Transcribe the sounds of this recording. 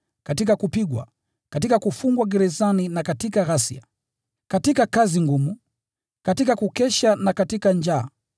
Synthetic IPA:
katikakupiɡwa̰ | katikakufuŋɡwaɡɛɾɛzaninakatikaɣasḭa̰ | katikakaziŋɡumu | katikakukɛʃanakatikand͡ʒaː

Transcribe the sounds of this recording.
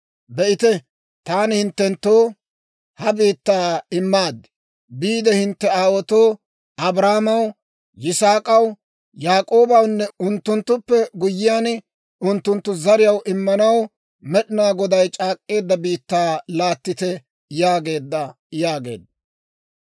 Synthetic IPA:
bɛʔɪt̪ɛ | t̪aːnhɪnt̪ːɛnt̪ːoː | hɐbiːt̪ːaːɪmːaːd̪ɛ̥ | biːd̪ɛhɪnt̪ːɛaːwɔt̪o̞ː | ɐbɾaːmɐw | jɪsaːkʼɐw | jaːkʼoːbɐwnːɛʊnt̪ːʊnt̪ːʊpːɛɡʊjːɪjaːn | ʊnt̪ːʊnt̪ːʊzɐɾɪjɐwʔɪmːɐnɐw | mɛɗɪnaːɡɔd̪ɐjt͡ʃʼaːkʼːe̞ːd̪ːɐbiːt̪ːaːlaːt̪ːɪt̪ɛ | jaːɡe̞ːd̪ːɐ | jaːɡe̞̰ːd̪ːɐ

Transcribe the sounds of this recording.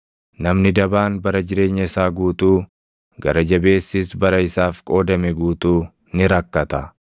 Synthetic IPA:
nɐmnɪd̪ɐbaːnbɐɾɐd͡ʒɪɾe̞ːɲːɐɪsaːɡuːt̪uː | ɡɐɾɐd͡ʒɐbe̞ːsːiːsbɐɾɐɪsaːfkʼo̞ːd̪ɐmɛɡuːt̪uː | nɪɾɐkːɐt̪ɐ

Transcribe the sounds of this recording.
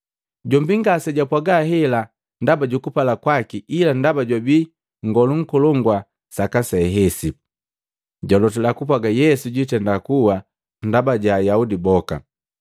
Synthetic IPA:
ɟɔmbiŋɡasɛɟapwaɡahɛla | ndabaɟukupalakwakiilandabaɟwabi | ŋɡɔluŋ̩kɔlɔŋɡwa | sakasɛɦɛsi | ɟɔlɔtɛlakup̬waɡajɛsuɟitɛndakuwa | ndabaɟajaudibɔka̰

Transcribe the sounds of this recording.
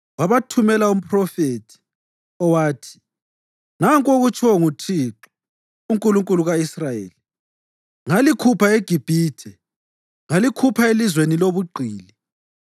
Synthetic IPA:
waβatʰumɛlaum̩pʰʼrɔfetʰi̥ | ɔwaːtʰi̥ | naŋkʼoɣut͡ʃʰʼwɔŋutʰiːǁɔ̥ | uŋkʼuluŋkʼuluɣaisrajḛːli | ŋalikʰupʰaeɡ̥ʱib̥ʱiːtʰɛ | ŋalikʰupʰaelizweniloβuɡ͡ǃʱiːli

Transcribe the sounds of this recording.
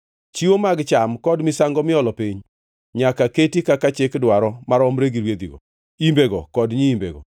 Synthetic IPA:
t͡ʃiwomaɡt͡ʃamkɔdmɪsaŋɡɔmɪɔlɔpiɲ | ɲakaketikakat͡ʃɪkdwaɾɔmaɾɔmɾeɡiɾwed̪ḭɡɔ̰ | imbeɡɔkɔdɲiimbḛɡɔ̰

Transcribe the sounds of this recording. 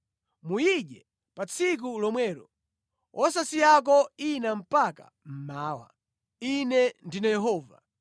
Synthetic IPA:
mujiɗɛ | pat͡sʰik̬ulɔmwɛːɾɔ̰ | ʔɔsasijak̬ɔinam̩paka̰ | m̩maːwa̰ | inɛndinajɛɦɔːva̰

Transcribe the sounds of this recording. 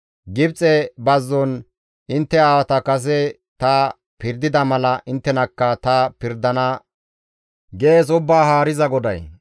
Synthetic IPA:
ɡɪbt͡sʼɛbɐzːɔn | ʔɪnt̪ːɛaːwɐt̪ɐkɐs̬ɛ | t̪a | pɪɾd̪ɪd̪ɐmɐlɐʔɪnt̪ːɛnɐkːɐt̪ɐpɪɾd̪ɐnɐ | ɡe̞ːs̬ʊbːaːɦaːɾɪzɐɡɔd̪ɐ̰j

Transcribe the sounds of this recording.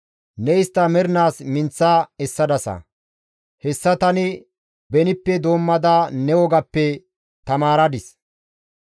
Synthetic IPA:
nɛɪst̪ːɐmɛɾnaːsmɪnt͡sːaːɛsːɐd̪ɐsɐ̰ | hɛsːɐt̪ɐnɪ | bɛnɪpːɛd̪o̞ːmːɐd̪anɛwɔɡɐpːɛ | t̪ɐmaːɾɐd̪ɪs

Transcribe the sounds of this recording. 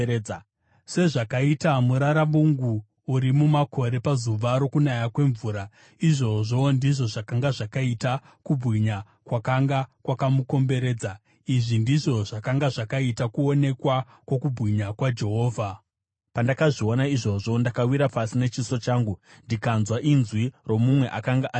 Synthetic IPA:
se̞ʐakaitamuɾaɾaɓuŋɡuː | ɾimumako̞ɾe̞pazuʋaɾo̞kunajakwe̞ɱvuːɾa | iʐo̞ʐondiʐo̞ʐakaŋɡaʐakaita | kubʱɣiɲa | kwakaŋɡakwakamuko̞mbe̞ɾe̞ːd͡za | iʐindiʐo̞ʐakaŋɡaʐakaitakuo̞ne̞kwa | kwo̞kubʱɣiɲakwad͡ʒe̞ɦo̞ːvʱa | pandakaʐio̞naiʐo̞ʐondakawiɾapasine̞t͡ʃiso̞t͡ʃaːŋɡu | ndikanzwaʔinzwiro̞mumwe̞ʔakaŋɡaʔa

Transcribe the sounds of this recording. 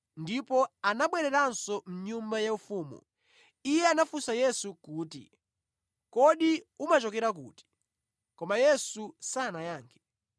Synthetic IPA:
ndipɔanaɓwɛɾɛɾansɔm̩ɲumbajaufuːmṵ | ijɛanafusajɛsukuːtḭ | kɔɗiumat͡ʃɔkɛɾak̬uːti̥ | kɔmajɛsusanajaːŋkʰɛ

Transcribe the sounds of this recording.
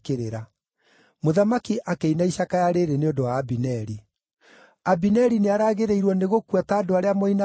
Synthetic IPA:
keɾeɾa | moðamakiʔakeinaiɕakajaɾeɾeneondowaːbinɛɾi | abinɛɾineaɾaːɣeɾeiɾwɔneɣokuataːdoaɾeamoina

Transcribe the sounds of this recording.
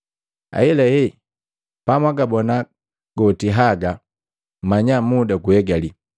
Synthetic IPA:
a̰ilɛjɛ | pamwaɡabɔna | ɡ̥ɔtiɦaɡa | maɲamudakuɛɡali

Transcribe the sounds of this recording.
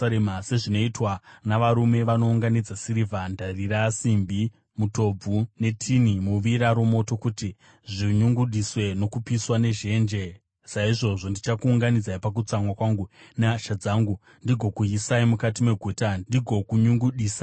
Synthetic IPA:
emase̞ʐino̞itwanaʋaɾume̞ʋano̞uŋɡanid͡zasiɾivandariɾasimbi | muto̞b͡vune̞tʰinimuʋiɾaɾumo̞to̞kuti | ʐiɲuŋɡuɗiswe̞no̞kupiswane̞ʒe̞ːnd͡ʒe̞ | saiʐo̞ʐo̞ndit͡ʃakuːŋɡanid͡zaipak̬ut͡saŋwakwaŋɡunaʃad͡zaːŋɡu | ndiɡʱo̞kuisaimukatime̞ɡʱutadiɡʱo̞kuɲuŋɡuɗiːsa

